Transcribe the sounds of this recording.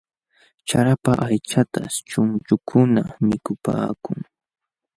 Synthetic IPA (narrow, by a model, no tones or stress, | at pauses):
t͡ʃaɾapaʔajt͡ʃat̪a̰t͡ʃʊnt͡ʃʊkʰʊnamɪkʊpa̰ːkʊŋ